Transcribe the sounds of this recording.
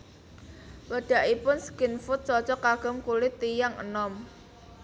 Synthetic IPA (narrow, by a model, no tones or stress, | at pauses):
wəɖ̥a̤ʔipʊnsə̥kɪnfʊt̪̚t͡ʃɔt͡ʃɔkaɡ̥ə̤mkulɪt̪ijaŋə̰nɔm